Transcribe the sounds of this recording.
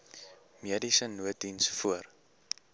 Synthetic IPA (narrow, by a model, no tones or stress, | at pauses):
miədisənuət̚dinsfuər